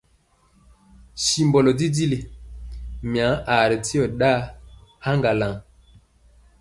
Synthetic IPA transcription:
si˨mbɔ˨lɔ˨di˦di˦le˨ | mi˨a˨˦ʔa˨ɾi˨ti˦ɔ˨ɗa˦ha˦ŋɡa˨la˨ŋ

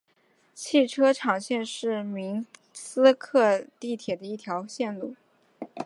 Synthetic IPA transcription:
t͡ɕʰi˥˩ʈ͡ʂʰɤ˥ʈ͡ʂʰɑ˨˩ŋɕjɛ˥˧nʂɻ̩˥˩mi˧˥ŋ | sɹ̩˥kʰɤ˥˧t̪i˥˩t̪ʰjɛ˨˩d̪ə˦i˥˩t̪ʰjɑ˧˥ʊɕjɛ˥˧nlu˥˩

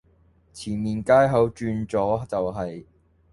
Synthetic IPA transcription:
t͡sʰiː˨˩nmiː˨nkaː˥jɦɐ˨˥wt͡ʃyː˧nt͡sɔː˨˥t͡sɐ˨wɦɐ˨j

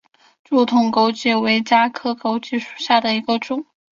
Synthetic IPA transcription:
ʈ͡ʂu˥˩t̪ʰʊ˧˩ŋko˥ʊt͡ɕi˥˩we˧˥ɪt͡ɕja˥kʰɤ˥ko˥ʊt͡ɕi˥ʂu̥˨˩ɕja˥˩d̪ə˩i˧˥ɡə˧ʈ͡ʂʊ˨˩˦ŋ

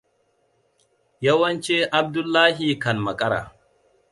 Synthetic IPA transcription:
jɐ˦wɐ˦nt͡ʃeː˦ʔa˦b̚dʊ˦lːaː˦ɦi˨kɐ˨nmɐ˨kʼɐ˦ɽa̰ː˨

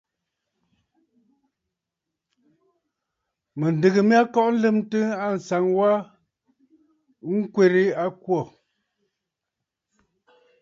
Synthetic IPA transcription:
mə˨n˨də˨ɣə˨m˦a˦kɔ˦ʔn̩˦lɨ˦mtɨ˦a˦˨n̩˨sa˨˦ŋwa˦ | ŋ̩˦kwe˦˨ɾe˦a˦kwɔ˦˨

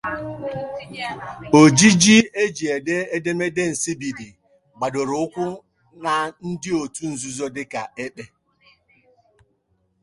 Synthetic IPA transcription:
o˨d͡ʒi˦d͡ʒi˦e˦d͡ʒi˨e˨de˦e˦de˦me˦de˦n̩˨si˦bi˨di˨ | ɡ͡ba˨do˨ɾʊ˨ʊ˦kʷʊ˦ | na˨n̩˦dɪ˦o˨tu˦n̩˨zu˨zo˦dɪ˦ka˨e˦k͡pe˦

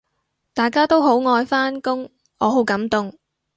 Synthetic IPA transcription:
t̪aː˨˩jkaː˥t̪o˥wɦo˨˥wŋɔː˧jfaː˥nkʊ˥ŋ | ɔː˨˧ɦo˨˥wkɐ˨˥mt̪ʊ˨ŋ

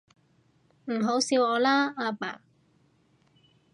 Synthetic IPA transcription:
m̩˨˩ɦo˨˥wsiː˧wɔː˨˧laː˥aː˧pa̰ː˨˩

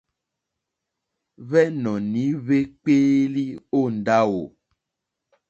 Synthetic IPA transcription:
βɛ˦nɔ̃˨nĩ˨˦βe˦k͡pe˦li˦o˦˨n̩˨ɖa˦wo˨

